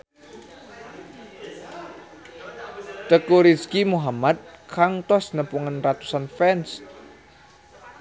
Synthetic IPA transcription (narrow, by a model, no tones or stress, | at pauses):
t̪əkuɾiskimuɦamat̪̚kʰaŋt̪ɔsnəpuŋanrat̪usanfɛns